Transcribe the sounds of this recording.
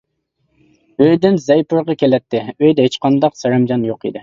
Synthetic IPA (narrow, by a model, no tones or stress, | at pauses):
øjd̪ɪnzɛjpuɾʁɑkʲʰelɛt̪ʰːɪøjd̪ɛet͡ʃqʰɑnd̪ɑqsɑɾɑmd͡ʒɑnjoqḭd̪ɪ